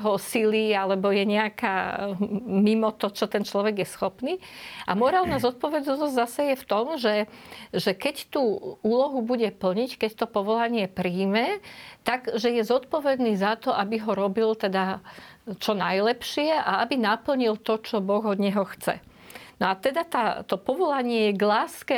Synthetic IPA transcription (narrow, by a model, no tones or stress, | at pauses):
ɦɔsilialɛbɔjɛɲɛakaː | mimɔt̪ɔt͡ʃɔt̪ɛnt͡ʃlɔʋɛɡjɛsxɔpniːʔa̰mɔɾaːlnazɔt̪̚pɔʋɛd̪nɔzzasɛjɛft̪ɔmʒɛʒɛkɛct̪uːuːlɔɦubuɟɛpl̩ɲickɛct̪ɔpɔʋɔlaɲɪɛpɾiːmɛt̪aɡʒɛjɛzɔt̪pɔʋɛd̪niːzat̪ɔʔabiɦɔɾɔbilt̪ɛd̪a | t͡ʃɔnajlɛpʃɪɛʔaabinapl̩ɲilt̪ɔt͡ʃɔbɔɣɔd̪ɲɛɦɔxt͡sɛ̰ | nɔat̪ɛd̪at̪aːt̪ɔpɔʋɔlaɲɪɛjɛɡlaːskɛ